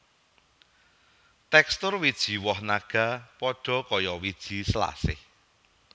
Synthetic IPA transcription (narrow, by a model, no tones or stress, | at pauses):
t̪ɛkst̪ʊrwid̥ʒ̥i̤wɔhnaɡ̥a̤pɔɖ̥ɔ̤kɔjɔwid̥ʒ̥i̤sla̰sɪ̰h